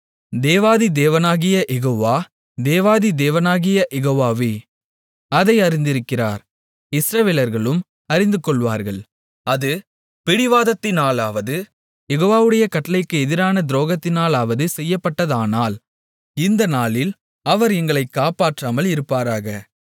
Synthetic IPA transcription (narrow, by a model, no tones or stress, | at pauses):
d̪eːʋaːðid̪eːʋɐnaːɣɪjɐʔɛɣoːʋaː | d̪eːʋaːðid̪eːʋɐnaːɣɪjɐʔɛɣoːʋaːʋe | ɐðɐɪɐɾɪnd̪ɪɾɯkːɪra̰ːɾ | ɪsɾɐʋeːlɐɾɣɐɭɯm | ɐɾɪnd̪ɯkɔɭʋaːɾɣɐɭ | ɐðɯ | pɪɽɪʋaːðɐt̪ːɪnaːlaːʋɐðɯ | jɛɣoːʋaːʋɯɽɐjɐkɐʈːɐlɐɪkːɯɛðɪɾaːnɐd̪ɪɾoːɣɐt̪ːɪnaːlaːʋɐðɯsɛjːɐpːɐʈːɐðaːnaːl | ɪnd̪ɐnaːlɪl | ɐʋɐɾɛŋɡɐɭɐɪkːaːpaːʈraːmɐlɪɾɯpːaːɾaːɣɐ